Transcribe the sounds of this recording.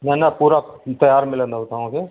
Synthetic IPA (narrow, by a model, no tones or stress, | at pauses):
nɛnapuːɾat̪ɐjaːɾmɪlə̃nd̪ɦot̪aɦõke